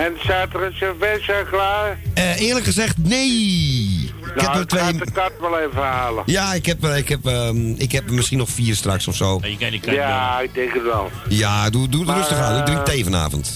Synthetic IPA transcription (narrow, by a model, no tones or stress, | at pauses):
ɛnsaːtəɾənsəfɛsəklaːəɪːrləkχəzɛxtneː | ɪnkhɛətʋeːəkatʋɛlˠeːvəhaːləjaɪkhɛpɪkhɛpəɪkhɛpmɪsxinɔxfiːərstraksɔfsoːjəkɛjaɪk̚dɛŋkətʋɛ̰lˠjadududrøstəxaːdudrɪŋteːvəna̰ːvə̰nt